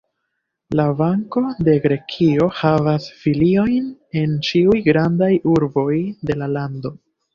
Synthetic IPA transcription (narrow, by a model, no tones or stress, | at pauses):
lavaŋko̞de̞ɡɾe̞kʰio̞havasfilio̞jne̞nt͡ʃiujɡɾandajuɾbo̞jde̞lalando̞